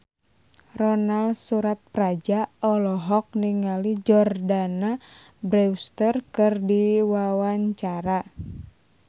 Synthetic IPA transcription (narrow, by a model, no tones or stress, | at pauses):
rɔnalsuɾat̪̚prad͡ʒaɔlɔɦɔk̚niŋalid͡ʒɔrdana | bɾɛwst̪ərkɨrdiwawaɲt͡ʃaɾa